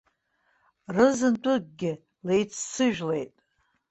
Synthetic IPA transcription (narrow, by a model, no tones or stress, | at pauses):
rɨzɨntʷʼʊɡ̚ɡʲɪ | le̞jt͡sʰsɨʒᶣle̞jtʼ